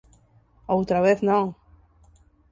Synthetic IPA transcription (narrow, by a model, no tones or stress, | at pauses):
owt̪ɾaβeθnõŋ